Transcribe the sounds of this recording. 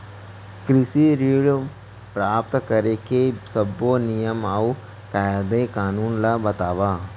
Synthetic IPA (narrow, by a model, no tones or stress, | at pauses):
kɾɪsiɾiːɽ | pɾaːpt̪kɐɾekesɐbonijəmau | kajad̪ekaːnuːnlabɐt̪aːʋaː